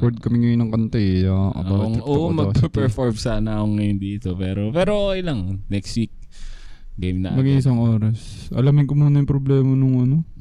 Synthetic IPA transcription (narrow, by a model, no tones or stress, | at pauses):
poɾd̪̚kɐmɪŋʊɪnɐŋkɐnt̪ɛaʔɐ̰bat̪ʔoːʔomɐpɐpɛɹfoɹmsaːnɐkoŋːɐjond̪iːt̪opɛːɾo̞pɛːɾookjlɐŋnɛkst̪wik̚ | ɡejmnɐmɐɡiʔɪsɐŋʔo̞ːɾɐs | ʔɐ̰lamɪŋkomuːnɐjʊmpɾoblɛːmɐnʊŋʔɐno̞